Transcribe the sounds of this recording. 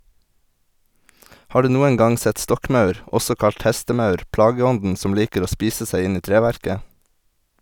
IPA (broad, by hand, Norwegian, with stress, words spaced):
ˈhɑː ˈɖʉː ˈnuːəŋ ˈɡɑŋ ˈsɛt ˈstɔkˌmɑʉɾ ˈɔsɔ ˈkɑʎt ˈhɛstəˌmɑʉɾ ˈplɑːɡəˌɔndn̩ ˈsɔm ˈliːkəɾ ˈoː ˈspiːsə ˈsæɪ ˈɪn ˈiː ˈtɾeːʋæɾkə